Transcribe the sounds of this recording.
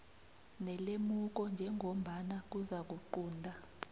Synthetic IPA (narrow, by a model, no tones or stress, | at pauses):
nɛlemuk̬ɔnd͡ʒʱɛŋɡʱom̩ɓanak̬uzak̬uǃuːndʱa